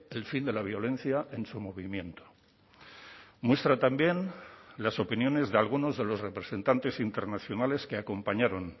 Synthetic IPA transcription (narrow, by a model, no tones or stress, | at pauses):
e̞lfind̪e̞laβ̞jo̞lẽ̞nθjaʔe̞nsumo̞β̞imjẽ̞nt̪o̥ | mwe̞st̪ɾat̪ambje̞nlaso̞pinjõ̞ne̞zðealɣ̞uno̞zðe̞lo̞zre̞pɾe̞se̞nt̪ant̪e̞sint̪e̞ɾnaθjo̞nale̞ske̞ako̞mpaɲaɾo̞n